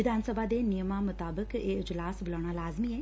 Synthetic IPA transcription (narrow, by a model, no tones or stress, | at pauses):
ɪd̪ʱaːnsəbʱaːd̪eːnɪjəmaːmʊt̪aːbəkeːɪd͡ʒlaːsbolaːɳ̃aːlaːzmiːɛː